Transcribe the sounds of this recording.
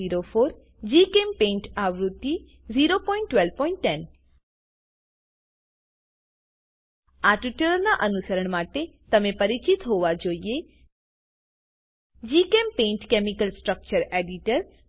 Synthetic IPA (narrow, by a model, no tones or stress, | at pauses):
iːɾopʰoːɾ | d͡ʑiːkeːmpẽːɳʈaːʋɾut̪i | ziːɾopɔːɪ̃ɳʈːʋɛlpɔːɪ̃ɳʈːɛn | aːʈiʈəɾəɾnaʔɐnusəɾəɽ̃maːt̪et̪ɐmẽpɐɾɪt͡ɕit̪ɦoːʋad͡ʒoːie | d͡ʑiːkeːmpẽːɳʈkeːmɪkəlsʈɾək̚t͡ʃəɾeːɖiʈəɾ